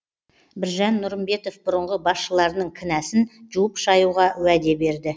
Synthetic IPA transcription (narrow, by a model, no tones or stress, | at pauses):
bɪɾʒɑnːʊɾəmbe̞t̪o̞fbʊɾəɴʁəbɑsʃəlˠɑɾnəɴkʲʰɪnæsɪnʒuwəpʃɑjuʁɑwæd̪e̞be̞ɾd̪ɪ